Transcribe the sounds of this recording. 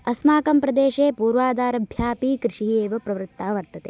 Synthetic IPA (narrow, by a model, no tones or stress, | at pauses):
ɐsmaːkɐmpɾɐd̪eːʃeːpuːɾʋaːd̪aːɾɐbʱjaːpiːkɾɪʂieːʋɐpɾɐʋɾut̪ːaːʋɐɾt̪ɐt̪eː